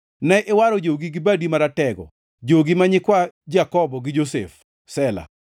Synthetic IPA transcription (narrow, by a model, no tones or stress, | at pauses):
nɛʔewaɾɔd͡ʒoɡiɡɪbadimaɾatɛɡɔ̰ | d͡ʒoɡimaɲɪkwad͡ʒakɔbɔɡɪd͡ʒosḛf | sɛla̰